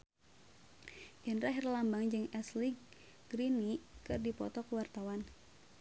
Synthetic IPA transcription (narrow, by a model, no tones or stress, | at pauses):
jənraɦirlambaŋd͡ʒɨŋɛsliɡ | ɡɾinikɨrdipɔ̰t̪ɔkəwart̪awan